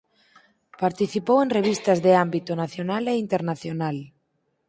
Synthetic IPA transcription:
paɾt̪iθipowẽnreβ̞ist̪ɐzðeambit̪onaθjonaleint̪eɾnaθjonal

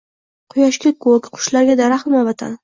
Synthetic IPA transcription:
qʰʊjaʃkʲakʰokʲqʰʊ̥ʃlaɾɡʲad̪aɾaχt̪ɪmabat̪ʰa̰n

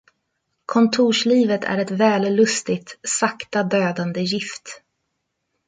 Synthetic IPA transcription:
kʰɔnt̪ʰuːʂliːvət̪ʰæ̰ɾɛt̪vɛːllɵst̪ɪt̪sakt̪ad̪øːd̪and̪əjɪft̪

